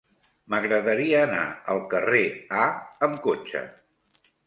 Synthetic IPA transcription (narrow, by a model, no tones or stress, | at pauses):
məɣɾəðəɾiəːna̰əlˠkəreaəmkot͡ʃə̰